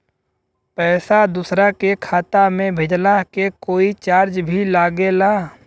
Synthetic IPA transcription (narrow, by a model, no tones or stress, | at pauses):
pɛːsad̪ʊsɾakekʰaːt̪amẽbʱɪd͡ʒlakekoːit͡ʃaːɾd͡ʒbʱilaːɡelaː